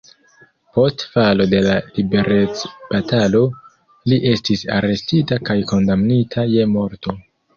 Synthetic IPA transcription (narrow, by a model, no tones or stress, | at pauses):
po̞stfalo̞de̞lalibe̞ɾe̞t͡sb̥atalo̞ | liʔe̞stisa̰ɾe̞stitakajko̞ndamnitʰaje̞mo̞ɾto̞